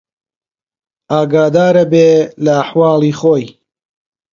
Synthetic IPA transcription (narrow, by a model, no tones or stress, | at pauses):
aːɡaːd̪aːɾɐbeːlɐːħwɑːlˠiːχoːj